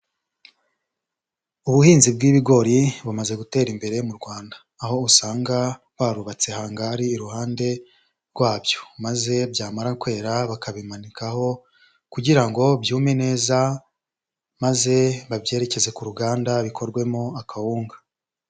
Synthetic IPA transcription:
uβuhiːnzib̚ɡiːβiɡo̞ɾiβumaze̞ɡute̞ːɾimbe̞ɾe̞muɾɡwaːndaːɦo̞usaːŋɡa | waɾuβat͡se̞haːŋɡaɾiːɾuhaːnde̞ | ɾɡwaːbjo̞maze̞bjaːmaɾakwe̞ːɾaβakaβimanikaho̞ | kuɟiɾaŋɡo̞bjuːme̞ne̞ːza | maze̞βabje̞ːɾe̞ce̞ze̞kuɾuɡaːndaβikʰo̞ɾɡwe̞moakʰahuːŋɡḁ

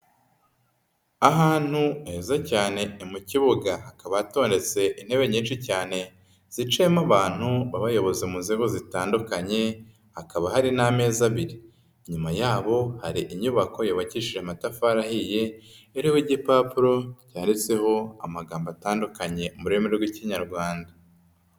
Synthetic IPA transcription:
aɦaːn̥huezacaːne̞ːmuciβuɡahakaβaato̞ːnde̞t͡se̞ʔin̥he̞βe̞ɲiːnʃicaːne̞ | z̥it͡ʃeːmaβaːn̥huβaβajo̞βo̞zemuzeɡozitaːndukaɲe̞ | hakaβahaɾiname̞ːzaβiɾi | ɲumajaːβo̞haɾiʔiɲuβako̞joːβaciʃiʒematafaɾahije̞ːɾiwiɟipapuɾo̞caːndit͡se̞ho̞a̰maɡaːmbataːndukaɲe̞muɾemeɾeɾɡwiciɲaɾɡwaːnda

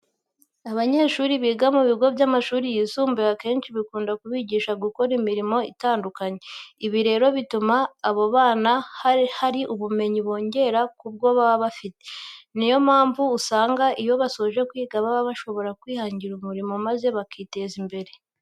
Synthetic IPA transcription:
aβaɲe̞ːʃuːɾiβiːɡamuβiɡo̞vɟamaʃuːɾijiːsuːmbeake̞ːnʃiβikuːndakuβiɟiːʃaɡuko̞ɾimiɾimo̞itaːndukaɲeiβiɾe̞ːɾo̞βitumaːβo̞βaːnahhaɾiʔuβume̞ɲiβo̞ːɲɟe̞ɾakub̚ɡo̞βaβaβafite̞nijo̞maːɱvuːsaːŋɡaʔijo̞βaso̞ʒe̞kwiːɡaβaβaβaʃo̞βo̞ɾakwiːhaːɲɟiɾumuɾimo̞maze̞βakite̞zimbe̞ɾe̞

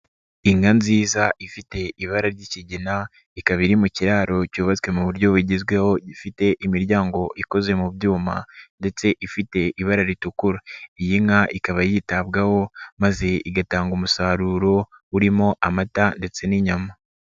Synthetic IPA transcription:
iŋanziːzaʔifite̞iβaɾaɾɟiciɟina | ikaβiɾimuciɾaːɾo̞cuːβat͡skwe̞muβuɾɟo̞βuɟizɡwe̞ho̞ɟifite̞ʔimiɾjaːŋɡo̞ʔiko̞ze̞mubjuːma̰nde̞t͡se̞ʔifite̞ʔiβaɾaɾitukuɾaijiŋaʔikaβajiːtabɡaho̞maze̞iɡataːŋɡumusaːɾuɾo̞ | uɾimo̞ʔamatande̞t͡se̞niɲama

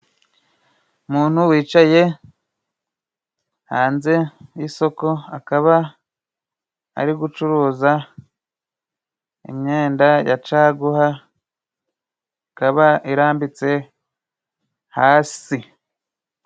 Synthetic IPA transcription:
umuːn̥huwiːt͡ʃaje̞ | haːnze̞jiso̞ko̞akaβa | a̰ɾiɡut͡ʃuɾuːza | ḭmɲe̞ːndaja̰t͡ʃaːɡuha | ikaβaiɾaːmbit͡se̞ | haːsi

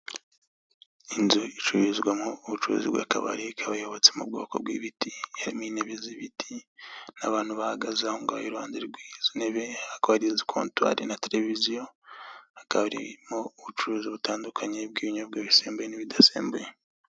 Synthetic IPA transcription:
inzoit͡ʃuɾizɡwamŋouβut͡ʃuɾṵzḭβɡwa̰ːkaβa̰ɾikʰaβajoβot͡semṵb̚ɡo̞̰ːko̞bɡwḭːβitihaɾimuineβeziβitʰinaβaːn̥huβahaɡazahoŋɡaβa̰joɾuhaːneɾiɡwiz̥ine̞βe̞akoβaɾizikʰoːntwa̰ɾinateɾe̞vizijo | akaβaɾḭmouβut͡ʃuɾuːziβutaːndukʰaɲeb̚ɡiːβiɲaβɡwaβiseːmbujeniβidasḛːmbuje

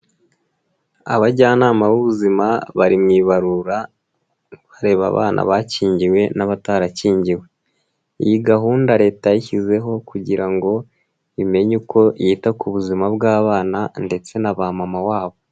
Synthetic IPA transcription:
a̰βaɟaːnaːmaβuβuzimaβaɾimŋiβaɾuɾa | βaɾe̞ːβa̰βa̰ːnʔa̰βaciːɲɟiwe̞naβataːɾaciːɲɟiwe̞ | ḭjiɡaɦuːndaɾe̞ːtajiçize̞ɦo̞kuɟiɾaŋɡo̞ | ime̞ɲuko̞jiːtakuβuzimabɡaːβaːnande̞t͡se̞naβamamawaːβo̞

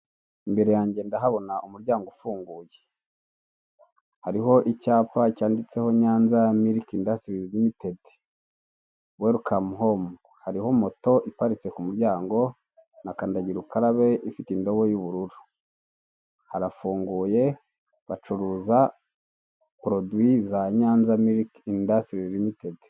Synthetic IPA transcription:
imbe̞ɾe̞jaːɲɟe̞ndaɦaβo̞naʔumuɾɟaːŋɡofuːŋɡuːje̥ | haɾiɦo̞ʔicaːpacaːndit͡se̞ho̞ɲaːnzamiɾikindasiβiiβimite̞di̥ | weɾukʰamuɦomu | haɾiho̞mo̞to̞ʔipaɾit͡se̞kumuɾjɟaːŋɡo̞ | nakandaɟiɾukaɾaβe̞ʔifitindo̞βo̞juβuɾuɾu̥ | haɾafuːŋɡuːje̞ | βat͡ʃuɾuza | kuɾodwizaɲaːnzamiɾikindasɾilimitedi

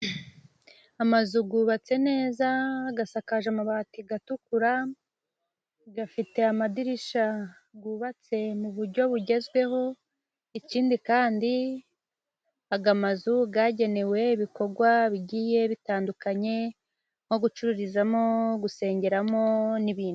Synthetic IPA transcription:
amazuɡuːβat͡se̞ne̞ːzaːɡasakaʒamaβatiɡatukuɾa | ɡafite̞amadiɾiʃa | ɡuːβat͡se̞muβuɾɟo̞βuɟe̞zɡwe̞ho̞ | iciːndikaːndi | aɡamazuɡaɟe̞ne̞we̞iβiko̞ɾɡwaβiɟiːje̞βitaːndukaɲe̞ | ŋ̥o̞ɡut͡ʃuɾuɾizamo̞ɡuse̞ːɲɟe̞ɾamo̞niβiːnu̥

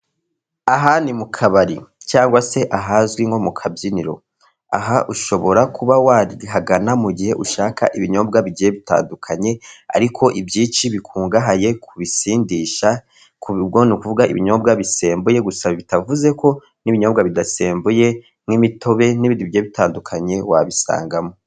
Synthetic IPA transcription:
aɦanimukʰaβaɾit͡ʃaːŋɡwase̞ʔaɦazɡwiŋɡo̞mukʰabjiniɾo̞̰ | a̰ɦaʔuʃo̞βo̞ɾakʰuβawaɾiɦaɡanamuɟihe̞ʔuʃaːkʰa̰ʔiβiɲo̞ːb̚ɡaβiɟijeβita̰ːndukʰaɲe̞a̰ɾikʰo̞ʔibjiːt͡ʃiβikʰuːŋɡaɦaje̞kʰuβisiːndiʃa | kʰuβibɡo̞nukuvuɡaʔḭβiɲo̞ːb̚ɡaβiseːmbuje̞ɡusaβaβitavuze̞kʰo̞ | niβiɲo̞ːbɡaβidaseːmbuje̞ | mŋimitʰo̞βe̞niβindiβiɟeeβitaːndukʰaɲe̞wa̰βisa̰ːŋɡamo

